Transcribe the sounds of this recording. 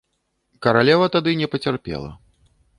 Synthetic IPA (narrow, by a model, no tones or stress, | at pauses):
kɐɾalʲɛvɐt̪ad̪ɨnʲɛpɐt͡sʲarpʲɛ̰lˠɐ̰